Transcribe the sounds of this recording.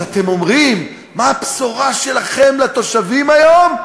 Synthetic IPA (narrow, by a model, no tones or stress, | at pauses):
at̪e̞mo̞mʁimː | aːpsoʁaʃe̞laχe̞mlat̪o̞ʃavimajo̞m